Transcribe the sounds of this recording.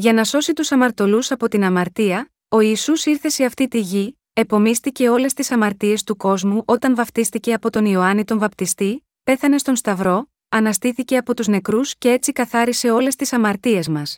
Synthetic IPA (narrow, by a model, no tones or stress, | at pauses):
ʝɐnɐso̞sit̪usɐmɐɾt̪o̞lusɐpo̞t̪inɐmɐɾt̪iɐ | o̞iːsusiɾθe̞se̞ɐft̪it̪iʝi | e̞po̞mist̪ice̞o̞le̞st̪isɐmɐɾt̪ie̞st̪uko̞zmuʔo̞t̪ɐnvɐft̪ist̪ice̞ɐpo̞t̪o̞nio̞ɐnit̪o̞ɱvɐpt̪ist̪i | pe̞θɐne̞st̪o̞nst̪ɐvɾo̞ | ɐnɐst̪iθice̞ɐpo̞t̪uzne̞kɾusce̞e̞t͡sikɐθɐɾise̞o̞le̞st̪isɐmɐɾt̪ie̞zmɐs